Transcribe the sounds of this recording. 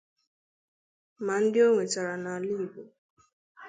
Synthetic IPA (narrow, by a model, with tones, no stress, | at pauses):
ma˨n̩˦dɪ˦o˦ŋʷe˨t͡ʃa˨ɾa˨na˨a˨li˦˨bo˨